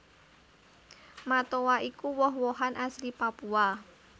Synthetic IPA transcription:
mat̪owaʔikuwɔɦwɔɦanʔaslipapua

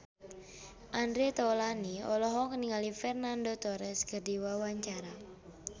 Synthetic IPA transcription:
ʔandɾet̪ɔlaniɔlɔɦɔŋəniŋalifɛrnandot̪ɔɾɛsɡərdiwawaɲt͡ʃaɾa

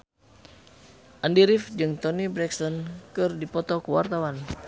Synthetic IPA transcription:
ʔandiɾifd͡ʒɨŋt̪ɔnibɾɛksɔnkɨrdipɔt̪ɔkuwa̰rt̪awan

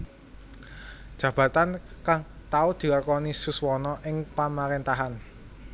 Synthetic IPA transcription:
d̥ʒ̥ä̤b̥a̤t̪ankaŋt̪aud̪̥i̤larkɔnisuswɔnɔʔɪŋpamaɾent̪aɦan

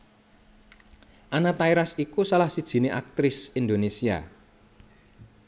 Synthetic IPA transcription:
ʔanat̪aiɾasikusalahsid̥ʒ̥i̤neʔak̚t̪ɾɪsind̪onesia̰

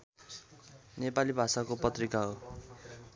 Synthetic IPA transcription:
nepalibʱasakopʌt̪rikaɦo

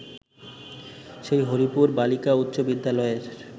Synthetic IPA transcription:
ʃejɦoɾipuɾbalikaut̪ːɕobid̪ːalɔeɾ

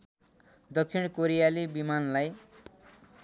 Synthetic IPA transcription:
d̪ʌksʰiɽ̃koɾijalibimanlaj

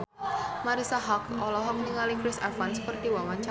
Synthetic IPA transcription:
maɾisaɦɔkɔlɔɦɔk̚niŋalikɾɪsafanspɔrt̪iwawant͡ʃa

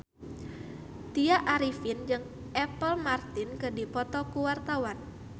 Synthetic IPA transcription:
t̪iaʔaɾifɪnd͡ʒɨŋ | ʔɛpəlmart̪ɪnkɨdipɔt̪ɔkuwart̪awan

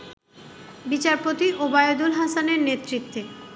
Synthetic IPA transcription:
bit͡ɕaɾpot̪iʔobajod̪ulɦasaneɾnet̪ːɾit̪ːe

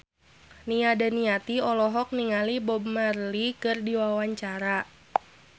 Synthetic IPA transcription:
niadaniat̪iɔlɔɦɔk̚niŋalibɔbmarlikɨrdiwawaɲt͡ʃaɾa

